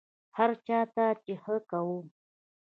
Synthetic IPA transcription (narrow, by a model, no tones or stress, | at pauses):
haɾt͡ʃaːt̪at͡ʃɪhəkawu